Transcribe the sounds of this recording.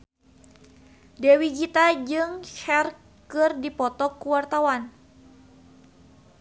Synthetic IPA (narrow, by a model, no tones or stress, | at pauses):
dɛwiɡit̪ad͡ʒɨŋʃɛr | kɨrdipɔt̪ɔkuwart̪awan